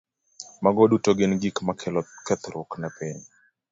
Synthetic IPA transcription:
maɡɔɗutɔɡɪnɡikmakʰɛlɔkɛt̪ɾʊknapɛni

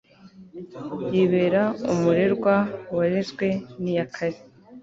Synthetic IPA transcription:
jiβeːɾaumuɾe̞ɾɡwawaɾezɡwe̞nijakʰaɾi

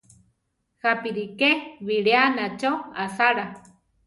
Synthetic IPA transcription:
hapiɾikeβiɺeanat͡ʃoasaɾa

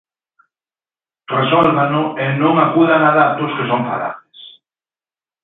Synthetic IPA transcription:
resɔlβanʊenõŋakuðaŋaðat̪ʊskesoɱfa̰la̰ðɪs

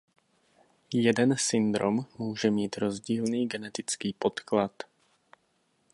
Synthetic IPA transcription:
jɛdɛnsɪnd̪ɾomːuːʒɛmiːt̪ɾo̞zɟiːlniːɡɛnɛt̪ɪt͡skiːpo̞t̪klat̪

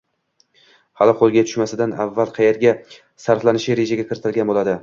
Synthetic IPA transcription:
halɪqʰolˠɡʲat̪ʰʊ̥ʃmasɪd̪anavːalˠqʰɑjeɾɡʲa | saɾflanɪʃɪɾe̞ʒaɡʲakʲʰɪɾɪt̪ʰɪlɡʲanbolˠad̪ɪ

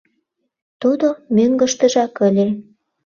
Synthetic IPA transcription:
t̪ud̪omøŋɡə̆ʃt̪ə̆ʒɑkəlʲe

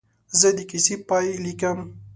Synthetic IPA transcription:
zəd̪ikisipajlikam

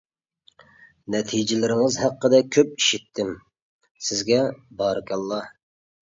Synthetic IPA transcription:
nɛt̪ʰid͡ʒɪlɪɾɪŋɪzɦæqːəd̪ɛkʲʰøp̚iʃit̪ʰːɪm | sɪzɡʲɛbɑːɾɨkʲʰɑlˠːɑ

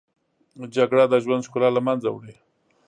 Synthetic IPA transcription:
d͡ʒaɡɽad̪aʒwand̪ʃkulalamanza̰wɽe

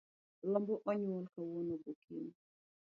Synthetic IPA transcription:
lɔmbɔʔɔɲwɔlkawɔnɔɡokʰin

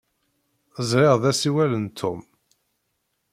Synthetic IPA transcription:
əzɾɪʁðæsiwælənt̪ʰːʊm

